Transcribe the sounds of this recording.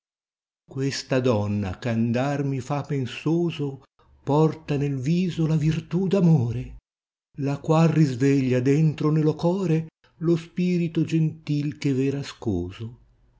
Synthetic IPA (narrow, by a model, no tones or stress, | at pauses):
kwest̪ad̪ɔnːa̰kand̪armifapensoːzo | pɔrt̪anelviːzolavirt̪ud̪amoːɾe | lakwalrizveʎːad̪ɛnt̪ɾonelokɔːɾe | lospiːɾit̪od͡ʒent̪ilkevɛːɾaskoːzo